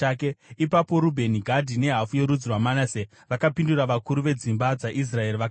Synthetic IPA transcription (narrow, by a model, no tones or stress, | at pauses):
akeipapo̞ɾubʱe̞niɡʱadʱine̞ɦafuje̞ɾud͡zurwamanase | ʋakapinduɾaʋakuɾuʋe̞d͡zimbad͡zaʔis̬rae̞riʋak